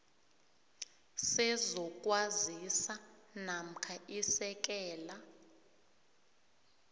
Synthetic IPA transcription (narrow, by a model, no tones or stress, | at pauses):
sɛzɔk̬ʼwazisanam̩kʰaisɛk̬ɛːla